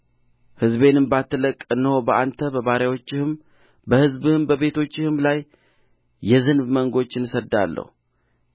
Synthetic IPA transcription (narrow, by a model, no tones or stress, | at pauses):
hɨzβe̞nɨmbat̪ʰːələkʼɨnːəhobəʔant̪ʰəbəβaɾjawo̞t͡ʃːɪhɨm | bəhɨzbɨhɨmbəβe̞t̪ʰo̞t͡ʃːɪhɨmlaj | jːɛzɨnbməŋɡo̞t͡ʃːɪnsəd̪ːa̰lːə̰hu